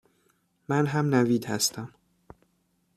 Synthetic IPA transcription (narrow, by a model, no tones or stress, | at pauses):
mænɦæmnæviːd̪hæst̪ʰæm